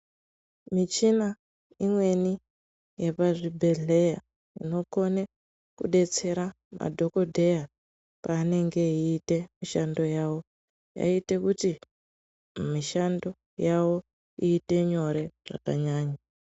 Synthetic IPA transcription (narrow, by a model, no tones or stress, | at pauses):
mit͡ʃina | imwe̞ni | jepaʐibʱe̞ɮe̞ja̰ | ino̞ko̞ne | kṵɗe̞t͡se̞ɾa | mʔa̰dʱo̞ko̞dʱe̞ja | paːne̞ŋɡe̞iːte̞miʃando̞jawo̞ | ja̰ite̞kuti | miʃando̞ | jawo̞ | iːte̞ɲo̞ɾe̞ʐ̥a̰ka̰ɲaːɲa